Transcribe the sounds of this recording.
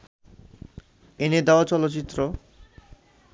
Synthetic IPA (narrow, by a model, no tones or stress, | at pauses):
ened̪eat͡ɕɔlotːt͡ɕit̪ːɾo